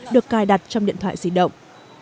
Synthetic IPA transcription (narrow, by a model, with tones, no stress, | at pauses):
ɗɨ˨˩əkːaː˨˩jɗa˨˩t̚t͡ɕɔ˧ŋ͡mḭ˧˨t̪wa̰ː˧˨jsi˧˦ɗə̰˧˨wŋ͡m